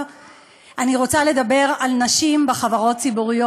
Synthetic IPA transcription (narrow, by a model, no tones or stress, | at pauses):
ʔaniʁo̞t͡sale̞dabe̞ʁalnaʃimbeχavaʁo̞t̚t͡sibuʁijo